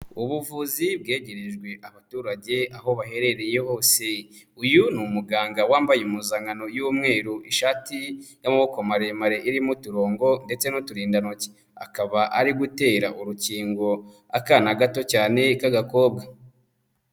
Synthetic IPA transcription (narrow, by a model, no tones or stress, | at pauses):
uβuvuzib̚ɡe̞ːɟe̞ɾe̞ʒɡwe̞ʔaβatuːɾaɟe̞aɦo̞βahe̞ɾe̞ɾe̞jeho̞ːse̞ | ujunumuɡaːŋɡawaːmbajeumuzaːŋano̞juːmŋe̞ːɾuʔiʃaːtijamuβokomaɾemaɾe̞ʔiɾimutuɾo̞ːŋɡo̞nde̞t͡se̞nutuɾiːndanoce̥ | a̰kaβaʔaɾiɡute̞ːɾaʔuɾuciːŋɡo̞ | akanaɡato̞caːne̞kaɡako̞ːb̚ɡa